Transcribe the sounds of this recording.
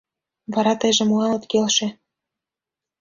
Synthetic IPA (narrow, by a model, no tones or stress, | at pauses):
βɑɾɑt̪ɤ̆jʒĕmuɑlɤ̆t̪kelʃĕ